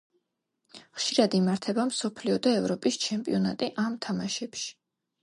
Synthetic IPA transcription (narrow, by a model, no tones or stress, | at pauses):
χʃiɾad̪imaɾt̪ʰɛbamsɔpʰliɔd̪aɛvɾɔpʼist͡ʃʰɛmpʼḭɔna̰t̪ʼiʔamt̪ʰamaʃɛpʃi̥